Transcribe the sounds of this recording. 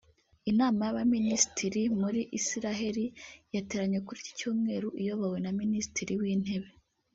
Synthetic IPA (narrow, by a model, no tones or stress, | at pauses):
inaːmajaβaminisi̥tʰiɾimuɾiʔisiɾaɦe̞ɾijete̞ɾaɲekuɾici̥cuːmŋe̞ːɾuʔijo̞βawe̞naminisi̥tiɾiwiːn̥e̞βe̞